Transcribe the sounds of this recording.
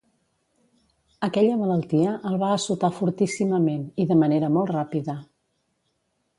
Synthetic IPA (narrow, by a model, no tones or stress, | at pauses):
əkɛʎəmələlˠt̪iəʔəlˠβaːsut̪afuɾt̪isiməmeniðəməneɾəmɔlˠtrapiðə